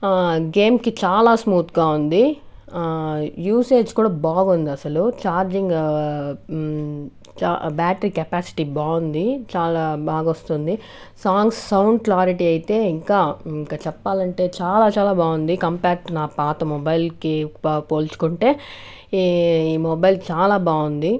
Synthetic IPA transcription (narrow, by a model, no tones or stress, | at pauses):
ɡe̞ːmkit͡ʃaːlaːsmuːt̪ɡaːund̪i | juːse̞ːd͡ʒkuːɽaːbaːɡund̪iɐsɐlut͡ʃaːɾd͡ʒiŋɡ | t͡ʃːbaːʈɐɾiːkɐpaːsi̥ʈiːbaːund̪it͡ʃaːlaːbaːɡɐost̪und̪i | saːŋɡsːɐwɳɖklaːɾiʈiːɐjit̪e̞ːiŋkaːiŋkaːt͡ʃɛpːaːlɐɳʈe̞ːt͡ʃaːlaːt͡ʃaːlaːbaːɡund̪ikɐmpaːkʈunaːpaːt̪ɐmɔbɐjlkipoːlt͡ʃu̥kuɳʈe̞ː | iːmɔbɐjlt͡ʃaːlaːbaːɡund̪i